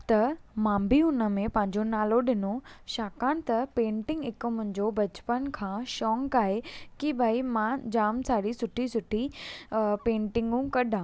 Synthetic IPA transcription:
t̪ɐmãːmbʱiʊnə̆mẽpɐ̃ɦɪ̃ɲd͡ʑonaːloɗɪnoʃaːkaːñt̪ɐpẽːɳʈɪ̃ŋɡɪkmʊ̃ɦɪ̃ɲd͡ʑobɐt͡ɕpənkʰãːʃɔːŋkaːɦekibʱaːimãd͡ʑaːmsaːɽisʊʈʰisʊʈʰi | pẽːɳʈɪ̃ŋɡũkɐɗãː

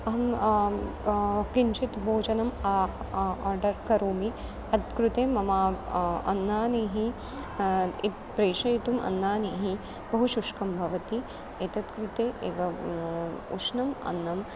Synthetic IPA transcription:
ɐɦɐm | kiɲt͡ʃit̪bʱoːd͡ʒɐnɐma | ɔːɾɖɐɾkɐɾoːmi | ɐt̪kɾut̪eːmɐmaːɐ̰nːaːneːɦi | it̪̚pɾeːʃɐjit̪umʔɐ̰nːaːneːɦi | bɐɦuʃuʂkɐmbʱɐʋɐt̪i | et̪ɐt̪kɾut̪eːʔeːʋɐ | uʃnɐmɐ̰nːɐm

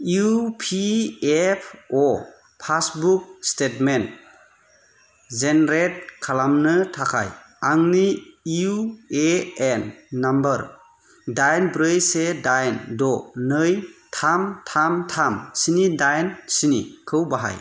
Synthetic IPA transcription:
iupʰiepʰɔ | pʰasbuk̚stetment | zenɾet̚kʰalamnɯtʰakʰa̰j | aŋniiueenːambəɾ | dajnbɾɯjsedajndɔnɯjtʰamtʰamtʰamsinidajnsinḭkʰɯwbaɦa̰j

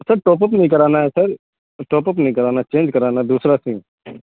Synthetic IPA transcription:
səɾʈɔːp̬əpnəĩkəɾaːnaɦɛːsəɾ | ʈɔːpəpnəɦĩkəɾaːnat͡ʃẽːnd͡ʒkəɾaːnaɦɛd̪uːsɾasĩː

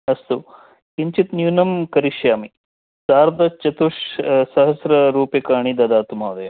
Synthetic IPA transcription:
ɐst̪u | kiɲt͡ʃit̪njuːnɐmkɐɾiʃjaːmi | saːɾd̪ɐt͡ʃɐt̪uʂsɐɦɐsɾɐɾuːpjɐkaːɳ̃id̪ɐd̪aːt̪umaːd̪ɐjɐ

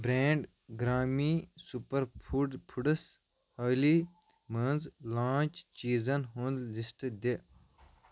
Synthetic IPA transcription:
bɾeːɳɖ | ɡɾaːmisupɐɾʰpʰuɖɐs | hɐːli | mɐnzlãːt͡ʃt͡ʃiːzɐnɦũnd̪lisʈd̪e

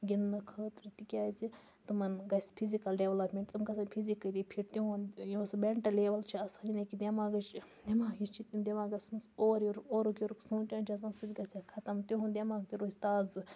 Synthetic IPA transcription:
ɡʲinːɐkʰəːt̪ɾit̪ikʲaːzi | t̪umɐnɡɐsʲpʰizikɐlɖeʋlɐpmʲeɳʈt̪umɡɐs̬anʲpʰizikːəɾipʰiɾt̪uɦũnjosbeɳʈɐleːʋɐlt͡ʃʰiɐsaːninɐkid̪ʲemaːɡɐt͡ʃ | d̪ʲemaːkit͡ʃʰit̪imd̪ʲemaːɡɐsmɐsoːɾjoɾoːɾukjoɾksuːt͡ʃʲaːnt͡ʃʰɐs̬aːnsubʲɡɐsʲakʰɐt̪ɐmt̪uɦund̪ʲemaːk̚t̪iɾoːsʲt̪aːzɨ

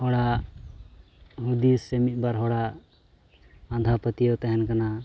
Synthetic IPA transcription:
hɔɽa | ɦud̪isɛmit̪̚ˀbaɾɦɔɽa | ãd̪ʱapət̪ijɔt̪ɛɦɛnkana

